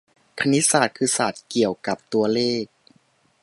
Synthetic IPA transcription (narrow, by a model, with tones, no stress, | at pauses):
kʰa˧ni˦˥t̪̚saː˨˩t̪̚kʰɯː˧saː˨˩t̪̚ki˨˩əwka˨˩p̚t̪u˧ɐleː˥˩k̚